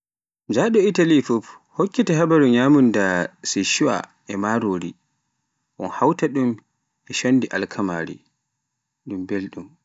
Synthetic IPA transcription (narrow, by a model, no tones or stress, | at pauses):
d͡ʒaɗɔitalifuf | hokːitɛɦabaɾuɲaːmundasiʃuwa̰ | ɛmaɾoːɾi | ʔɔ̰nhawtaɗum | ɛʃanːdiʔa̰lkʰama̰ːɾḭ | ɗumbelɗum